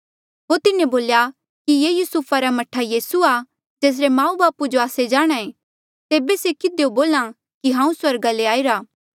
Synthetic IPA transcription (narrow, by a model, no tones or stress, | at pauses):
ɦot̪ɪnẽboːlja | kijeːjusuːpʰaɾamɐʈʰːajiːsua | d͡ʒeːs̬ɾemãːubaːpud͡ʒoaːsed͡ʒaːɽ̃aẽ | t̪eːbesekɪd̪eoboːlã | kiɦãːũswɐɾɡaleaːiɾaː